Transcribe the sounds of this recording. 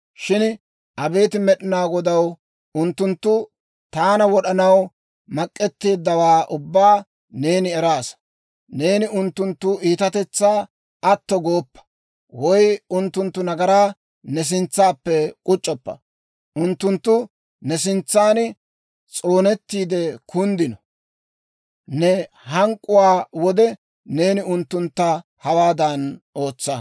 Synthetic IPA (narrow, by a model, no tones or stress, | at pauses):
ʃɪn | ʔɐbe̞ːt̪ɪmɛɗɪnaːɡɔd̪ɐw | ʊnt̪ːʊnt̪ːʊ | t̪aːnɐwɔɗɐnɐw | mɐkʼːɛt̪ːeːd̪ːɐwaːʔʊbːaː | ne̞ːnɪɛɾaːs | ne̞ːnɪʊnt̪ːʊnt̪ːʊiːt̪ɐt̪ɛt͡sːaː | ɐt̪ːɔɡo̞ːpːɐ̥ | wɔjʊnt̪ːʊnt̪ːʊnɐɡɐɾaː | nɛs̬ɪnt͡sːaːpːɛkʼʊt͡ʃʼːɔpːɐ̰ | ʊnt̪ːʊnt̪ːʊ | nɛs̬ɪnt͡sːaːn | t͡sʼo̞ːnɛt̪ːiːd̪ɛkʊnd̪ɪnɔ | nɛ | hɐŋkʼːʊwaːwɔd̪ɛ | ne̞ːnɪʊnt̪ːʊnt̪ːɐ | hɐwaːd̪ɐno̞ːt͡sːɐ